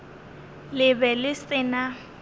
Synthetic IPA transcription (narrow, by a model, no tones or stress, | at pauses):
lɪbɛlɪsɪna